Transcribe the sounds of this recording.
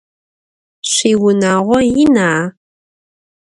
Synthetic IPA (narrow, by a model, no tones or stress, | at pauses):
ɕiːwʊnaːʁʷɔjɪnaː